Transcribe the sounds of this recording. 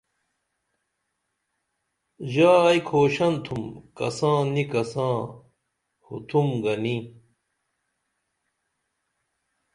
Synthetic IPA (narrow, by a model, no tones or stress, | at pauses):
ʑaːɐikʰoːɕɐnt̪ʰumkɐ̰sãːnikɐsãː | hṵt̪ʰumɡɐni